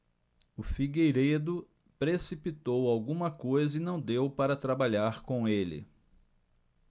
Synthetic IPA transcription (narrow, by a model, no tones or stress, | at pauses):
ʊfiɡejɾed̪ʊ | pɾesipit̪owawɡũmɐkojzɐɪnɐ̃w̃d̪ewpaɾɐt̪ɾabaʎaɾkõw̃elɪ̰